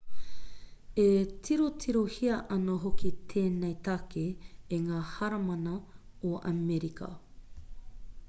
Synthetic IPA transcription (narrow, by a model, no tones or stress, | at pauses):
etʰiɾotʰiɾohiɐʔɐnɐɦokit̪ʰeːnejt̪akeːŋaːhɐɾɐmɐnɐoʔɐ̰meɾikʰɐ̰